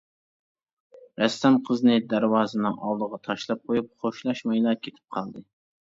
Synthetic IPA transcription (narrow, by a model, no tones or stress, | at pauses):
ɾɛst̪ɑnqʰəznɨd̪æɾwɑːzɨnɨʔɑlˠd̪əʁɑt̪ʰɑʃlˠɑp̚qʰojup̚χoʃlˠɑʃmɑjlˠɑkʲʰet̪ʰɪ̥p̚qʰɑlˠd̪ɨ